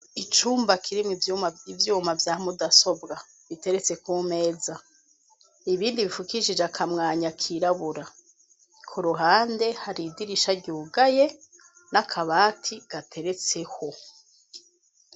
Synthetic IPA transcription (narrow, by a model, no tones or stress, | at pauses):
it͡ʃuːmbakʰiɾimŋiivjuːmavjaːhmudaso̞bɡa | βite̞ɾe̞t͡se̞kume̞ːza | iβiːndiβifukiʒid͡ʒeakʰamŋaːɲakʰiɾaβuɾa | kʰoɾuɦaːnde̞haɾidiɾiʃaɾɟuːɡaje̞ | nakʰaβaːtʰiɡ̥atʰe̞ɾe̞t͡se̞ho